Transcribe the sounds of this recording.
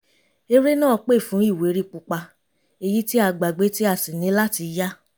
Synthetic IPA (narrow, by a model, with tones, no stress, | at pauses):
e˧ɾe˦nãː˦˨˧k͡pe˦˨fũ˨˦i˦˨we˨˦ɾi˦˨k͡pu˧k͡pa˧ | e˧ji˦ti˦a˧˨ɡ͡ba˨ɡ͡be˨˦ti˦a˧˨sĩ˨nĩ˨˦la˦ti˧ja˦